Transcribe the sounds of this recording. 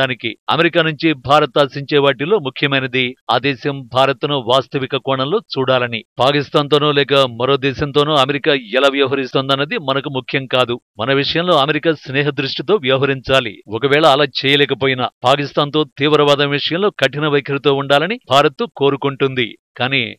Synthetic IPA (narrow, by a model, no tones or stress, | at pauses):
aːnikiɐ̰meɾikaːnuɲt͡ʃibʱaːɾɐt̪aːsiɲt͡ʃɛːʋaːʈ̬iloːmukʰjɐmɐjnɐd̪ia̰ːd̪ɛːsɐmbʱaːɾɐt̪unuʋaːst̪ɐʋikɐkɔːɳɐmlo̞ːt͡ʃuːɽaːlɐnipaːkist̪aːnt̪̬oːnuːlɛːkɐmɐɾoːd̪ɛːsɐmnt̪oːnuːɐmeɾikaːɛlaːʋjɐʋɦɐɾist̪oːnd̪ɐnːɐd̪imɐnɐkumukʰjɐmkaːd̪umɐnɐʋiʂɐjɐmlo̞ːɐmeɾikaːsnɛːɦɐd̪ɾuʂʈit̪o̞ːʋjɐʋɦɐɾiɲt͡ʃaːlḭɔkɐʋɛːɭɐːlaːt͡ʃɛːjɐlɛːkɐpoːjinɐ̰paːkist̪aːnt̪o̞ːt̪iːʋɾɐʋaːd̪ɐmʋiʂɐjɐmlo̞ːkɐʈːinɐʋɐjkʰɐɾit̪oːuɳɖaːlɐnibʱaːɾɐt̪ːuko̞ːɾukuɳʈund̪ḭkaːniː